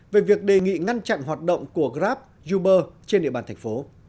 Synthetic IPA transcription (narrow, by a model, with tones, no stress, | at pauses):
ve˨˩vi˨˩ək̚ɗe˨˩ŋḭ˧˨ŋa˧nt͡ɕa̰˧˨nɦwaː˨˩t̚ɗə̰˧˨wŋ͡mku˧˩əɣzaː˦˥p̚ | zu˧ɓəː˧t͡ɕe˧nɗḭ˧˨ɓaː˨˩nt̪ʰŋ̟fo˨˦